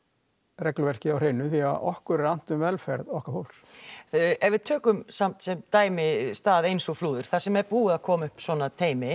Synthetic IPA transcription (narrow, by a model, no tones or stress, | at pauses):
rɛklʏvɛr̥cɪawr̥ejnːʏθia̰ðʔɔhkʏɾɛɾan̥t̪ʏmvɛlfɛɾðɔhkafowls | ɛvɪð̥t̪ʰœːkʏmsam̥t̪sɛmt̪aːjmɪst̪aːðejnsɔfluːðʏɾ̥θasɛmɛɾpuːɣɪðakʰɔːmʏhpswɔnat̪ʰeːjmɪ